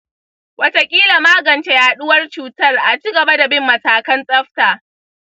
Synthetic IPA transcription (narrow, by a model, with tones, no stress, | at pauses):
wɐ˦ta˦kʲʼiː˦la˨maː˦ɡɐ˨nt͡ʃe˦jaː˦ɗʊ˦wɐ˦rt͡ʃuː˦˨tɐ˦rʔa˨t͡ʃiː˦ɡɐ˨ba˦da˨bɪ˦mːɐ˨taː˨kɐ˦nsʼɐ˦ɸtaː˨